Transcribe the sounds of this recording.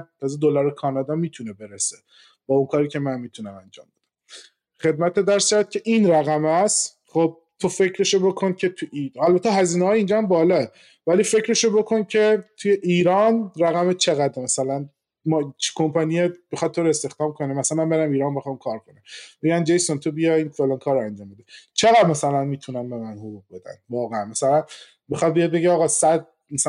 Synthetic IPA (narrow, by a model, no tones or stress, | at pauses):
t̪ʰɒːzed̪olɒɾekʰɒːnɒd̪ɒmiːt̪ʰunebe̞ɾese | b̥ɒːuŋkʰɒːɾiːcʰʲe̞mænmːiːt̪ʰunæmænd͡ʒɒ̰ːmb̥e̞d̪æ̥m | χe̞d̪̚mæt̪ʰed̪æɾskævt̪̚cʲʰe̞ʔinɾæɣæmæst̪ | χob̚ | t̪ʰofecʰɾeʃobo̞kʰoncʰe̞t̪ʰuælbæt̪ʰːeɦæziːneɒːjeind͡ʒɒhæmbɒːlɒːe | væliːfe̞cɾeʃobo̞kʰoncʰe̞t̪ʰujeʔiːɾɒːnræɣæmet͡ʃʰeɣæd̪ɾmæsælæn | mɒt͡ʃkʰo̞mpʰɒnijebexɒt̪̚t̪ʰːoːɾoest̪e̞xd̪̥ɒːmkʰonemæsæmæmbe̞ɾæmiːɾɒːnbexɑmkʰɒːɾkʰonæmbeɡænd͡ʒejsont̪ʰobijɒinfelɑnkʰɒːɾoænd͡ʒɒːmbe̞d̪et͡ʃʰe̞ɣæd̪mæsælænmiːt̪ʰunæmbe̞mænhoɡuɣ̚be̞d̪æ̰nvɒːɣeænmæsælæn | bexɒd̪̚bijed̪beɟeɒɣɒːsæd̪̚ | mæs